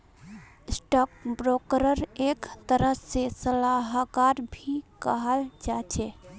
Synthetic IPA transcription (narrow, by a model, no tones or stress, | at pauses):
sʈak̚bɾokɾəɾekt̪əɾəsesəlaɦkaɾbʱikəɦəld͡ʒat͡ʃʰe